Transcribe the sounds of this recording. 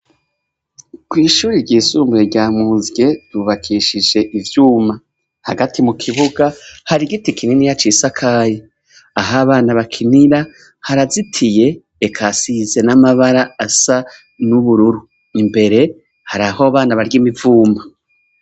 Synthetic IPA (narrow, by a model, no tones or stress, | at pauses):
kwiːʃuːɾiɾɟiːsuːmbuɾeɾɟaːmuːzɡe̞d̥uβakʰiʃid͡ʒe̞ʔivjuːma | haɡatʰimukʰiβuɡahaɾiɡitikininijat͡ʃisakʰaːje | aɦaβaːnaβakʰiniɾa | haɾazitʰije̞ː | kʰasize̞namaβaɾaːsa | nuβuɾuɾu | imbe̞ɾe̞ | haɾahoβaːnaβaɾɟimivuːma